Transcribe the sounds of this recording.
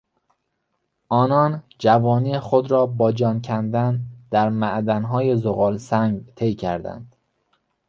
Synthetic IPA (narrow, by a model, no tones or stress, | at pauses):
ʔɒːnɒːnd͡ʒævɒːniːexod̪ɾɒːbɒːd͡ʒɒːncʰænd̪ænd̪̥æɾmæʔd̪ænɦɒːje̞zoɣɒːlsæŋɡt̪ʰe̞jcʰæ̰ɾd̪æ̰nd̪̥